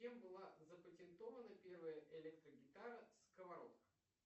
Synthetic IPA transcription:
embɨlˠazəpətʲɪnt̪o̞vənəpʲe̞rvəjəʔɪlʲek̚t̪ɾəɡʲɪt̪aɾəskəvɐɾo̰t̪ə̥

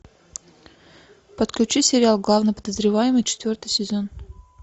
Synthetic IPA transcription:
pət̪klʲʉt͡ɕisʲɪɾʲɪalˠɡlˠavnəpəd̪əzɾʲɪvajɪmɨjt͡ɕɪ̥t̪vʲo̞rt̪ɨjsʲɪzo̞n

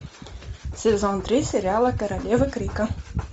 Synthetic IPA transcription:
sʲɛzɔnt̪ɾʲisʲɛɾʲɪalˠɐkɐɾɐlʲevɨkɾʲikɐ

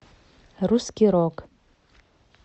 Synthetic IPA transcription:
rusɡʲiɾokʼ

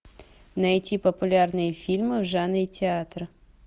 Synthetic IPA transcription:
nɐjtʲipəpʊlʲarnɨjəfʲilʲmɨvʐanɨitʲɪat̪ɾɨ

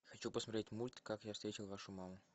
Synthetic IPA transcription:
xɐt͡ɕupəsmɐt̪ɾʲetʲmulʲt̪kakjafst̪ɾʲetʲɪlˠvaʂʊmamʊ

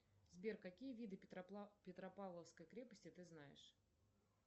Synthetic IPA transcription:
zbʲerkɐkʲijəvʲid̪ɨpʲɪt̪ɾɐpavlˠəfskəjkɾʲepəsʲtʲɪt̪ɨznajɪ̰ʂ

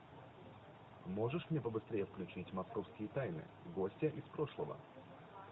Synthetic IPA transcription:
mo̞ʐɨʂmnʲepəbɨst̪ɾʲejəfklʲʉt͡ɕitʲmɐsko̞fskʲɪjət̪ajnɨ̰ | ɡo̞sʲtʲəʔɪspɾo̞ʂlˠəvə̰

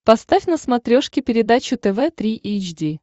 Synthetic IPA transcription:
pɐst̪afʲnəsmɐt̪ɾʲoʂkʲɪpʲɪɾʲɪd̪at͡ɕʊt̪ɛvɛt̪ɾʲiʔejt͡ɕdʲi

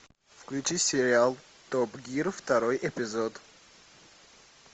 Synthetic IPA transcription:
fklit͡ʃʰiseɾial | d̪̥ɔbɡiɾft̪ʰaɾɔiʔepʰizɔd̪

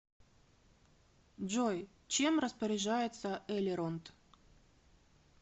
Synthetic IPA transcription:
ʐoj | t͡ɕemrəspəɾʲɪʐajɪt̪səʔɛlʲɪɾont̪

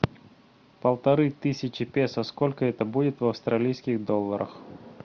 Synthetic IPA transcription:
pəlˠt̪ɐɾɨt̪ɨsʲɪt͡ɕɪpʲesəskolʲkəɛt̪əbudʲɪt̪vɐfst̪ɾɐlʲijskʲɪɣd̪olˠːəɾʔə̰x

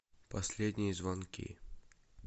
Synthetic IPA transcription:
pɐsʲlʲed̪ʲnʲɪjəzvɐnkʲḭ

